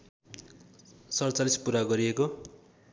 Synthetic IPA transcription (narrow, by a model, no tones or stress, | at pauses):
sʌrʌt͡salispuɾaɡʌɾieko